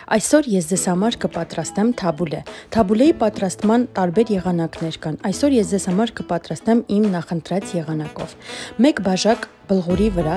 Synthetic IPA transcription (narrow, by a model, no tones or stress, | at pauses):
ʔɑjsɔɾjɛsd͡zɛz̥hɑmɑɾkəpɑt̪ɾɑst̪ɛmt̪ʰɑbulɛ̰t̪ʰɑbulɛjipɑt̪ɾɑst̪mɑnt̪ɑɾbɛɾjɛʁɑnɑknɛɾkɑnɑjsɔɾjɛsd͡zɛz̥hɑmɑɾkəpɑt̪ɾɑst̪ɛmimnɑχənt̪ɾɑt͡sjɛʁɑnɑkɔ̰vmɛkbɑʒɑk | b̥əlʁuɾivəɾɑ